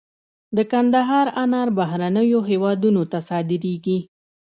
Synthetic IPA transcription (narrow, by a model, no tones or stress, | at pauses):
d̪əkand̪aɦɑɾanɑɾbaɦɾanəjoɦewɑd̪unot̪asɑd̪ɪɾeɡi